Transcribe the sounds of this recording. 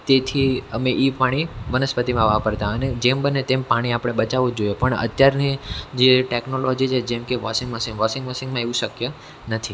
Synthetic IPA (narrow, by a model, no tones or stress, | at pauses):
t̪et̪ʰiəmeʔipaɽ̃imənəspət̪imãʋapəɾt̪aəned͡ʒembənːet̪empaɽ̃iapɽ̃ebət͡ʃaʋud͡ʒojepəɳə̰t̪jaɾned͡ʒeʈeknolod͡ʒit͡ʃʰed͡ʒemkeʋɔsɪŋɡmasĩŋɡʋɔsɪ̃ŋɡʋɔsɪ̃ŋɡmãeʋũʃəkjə | nət̪ʰi